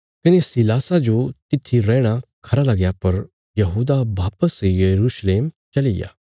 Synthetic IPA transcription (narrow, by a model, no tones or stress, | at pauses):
kinesilaːsad͡ʒot̪ɪt̪ʰːiɾɛːɽ̃akʰɐɾalaɡjapɐɾ | jɐɦuːd̪abaːpəsjɐɾuːʃleːmt͡ʃɐlija̰